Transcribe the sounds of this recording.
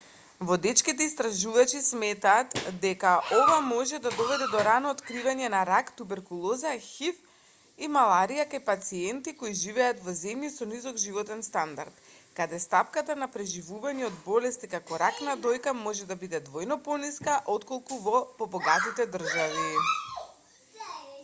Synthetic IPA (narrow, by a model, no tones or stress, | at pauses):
vɔd̪ɛt͡ʃkit̪ɛist̪ɾaʒuvat͡ʃismɛt̪aːt̪d̪ɛkaʔovamɔʒɛd̪ad̪ɔvɛd̪ɛd̪ɔɾanɔːt̪kɾivaɲɛnaɾakt̪ubɛɾkulˠɔzaxif | imalˠaɾijakajpat̪siɛnt̪ikoiʒivɛat̪vɔzɛmjisɔnizɔɡʒivɔt̪ɛnst̪and̪aɾt̪kad̪ɛst̪apkat̪anapɾɛʒivuvaɲɛɔd̪bɔlɛst̪ikakɔɾaknad̪ɔjkamɔʒɛd̪abid̪ɛd̪vɔjnɔpɔniskaʔot̪kolˠkuvɔpɔbɔɡat̪it̪ɛd̪r̩ʒavi